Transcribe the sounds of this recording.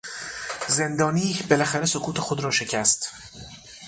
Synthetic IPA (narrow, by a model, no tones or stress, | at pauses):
ze̞nd̪ɒːniːbe̞læxæɾeso̞kʰuːt̪ʰe̞xod̪ɾɒːʃe̞cʰæst̪